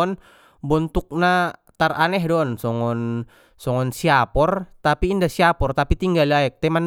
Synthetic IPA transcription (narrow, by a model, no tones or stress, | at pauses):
n | bɔnt̪uk̚nat̪aranɛɦdɔnsɔŋɔn | sɔŋɔnsiapɔrt̪apiːndahsiapɔrt̪apit̪iŋɡaliaɛk̚t̪ɛman